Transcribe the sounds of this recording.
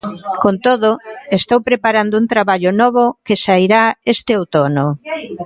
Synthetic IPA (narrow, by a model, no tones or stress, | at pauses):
kont̪oðoest̪owpɾepaɾand̪ʊunt̪ɾaβaʎʊnɔβ̞ʊkesaiɾaest̪ɪowt̪ono